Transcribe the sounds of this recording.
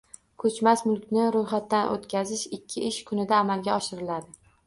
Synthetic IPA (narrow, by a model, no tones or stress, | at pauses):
kʰɵt͡ʃmasmʊlˠkʲnɪɾojχat̪ːanʔo̰t̪kʲazɪʃɪkʲʰːɪʔɪʃkʰʊnɪd̪aːmalɡʲaɒʃɪɾɪlad̪ɪ